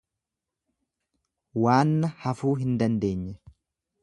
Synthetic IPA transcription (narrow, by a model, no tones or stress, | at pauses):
waːnːɐhɐfuːɦɪnd̪ɐnd̪e̞ːɲːɛ